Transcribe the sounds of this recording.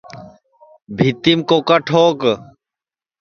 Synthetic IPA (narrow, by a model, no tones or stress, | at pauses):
bʱit̪imkoːkəʈʰoːk